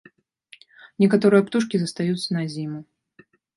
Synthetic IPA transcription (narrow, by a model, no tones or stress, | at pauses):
nʲɛkat̪ɔɾɨjɐpt̪uʂkʲizɐst̪ajut̪sɐnɐzʲimu